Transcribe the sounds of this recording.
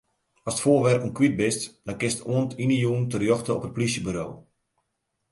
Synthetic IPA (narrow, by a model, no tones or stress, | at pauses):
ɔstfoːʋɛrkunkwit̚bɪstd̥ɔnkɪstuəntinəjuəntərjɔxtəɔpət̚plisjəbyɾo̰ː